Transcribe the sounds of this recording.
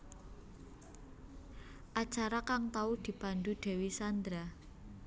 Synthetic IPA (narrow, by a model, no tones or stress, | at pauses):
ʔat͡ʃaɾakaŋt̪aud̪̥i̤b̥a̤nd̪ud̪̥e̤wisand̪ɾa